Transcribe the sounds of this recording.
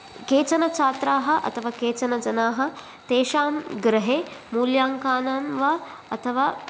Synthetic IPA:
keːt͡ʃɐnɐt͡ʃaːt̪ɾaːɦɐ̆ʔɐ̰t̪ʰɐʋaːkeːt͡ʃɐnɐd͡ʒɐnaːɦɐ̆ | t̪eːʃaːnɡɾɐɦeːmuːljaːŋkaːnaːnʋaːɐt̪ʰɐʋaː

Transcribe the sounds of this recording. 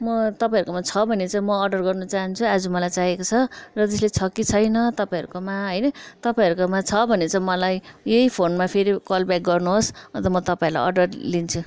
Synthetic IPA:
mʌt̪ʌpaĩɦʌɾukomat͡sʰʌbʱʌnet͡saj̃mʌːɖʌrɡʌrnʌt͡saɦʌnt͡sʰuad͡zumʌlajt͡saɦekot͡sʰʌrʌd͡z̪ʌslet͡sʰʌkit͡sʰʌjnʌt̪ʌpaĩɦʌɾukomaɦʌjnʌt̪ʌpaĩʌɾukomãt͡sʰʌbʱʌnet͡saj̃mʌlajejpʰonmapʰeɾikʌlbjak̚ɡʌrnuɦosʌnt̪ʌmʌt̪ʌpãiɾla̰jʌ̰ɖʌrlint͡sʰu

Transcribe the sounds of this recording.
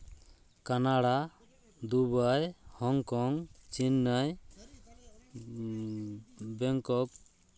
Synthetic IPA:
kanaɽa | d̪ubajhɔŋkɔŋt͡ʃinːəj | bɛŋkɔk̚

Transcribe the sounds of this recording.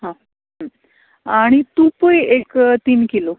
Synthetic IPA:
ɦã | ɦə | aɽ̃it̪upəjekt̪iːnkilo

